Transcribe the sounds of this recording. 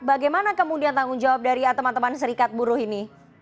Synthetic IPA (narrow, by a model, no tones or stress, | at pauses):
baɡajmanakəmudiant̪aŋɡʊŋd͡ʒawap̚daɾiat̪əmant̪əmansəɾikat̪̚buɾʊhini